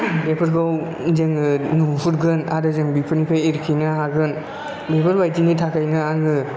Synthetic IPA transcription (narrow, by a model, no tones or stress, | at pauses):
bepʰɯɾɡaw | zeŋɯnupuɾɡɯnaɾɯzɯŋbipʰɯnpʰajiɾkʰinaɦaɡɯn | bepʰɯɾbajtinitʰakʰajnɯaŋɯ